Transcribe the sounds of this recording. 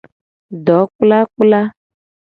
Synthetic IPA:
ɖɔ˨˦k͡pla˦k͡pla˦

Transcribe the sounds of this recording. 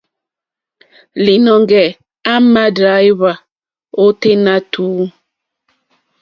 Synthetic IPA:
li˨nɔ˨ŋɡɛ˨ | a˦ma˦da˨˦jβa˨ | o˦te˦na˦tʰuː˨˦

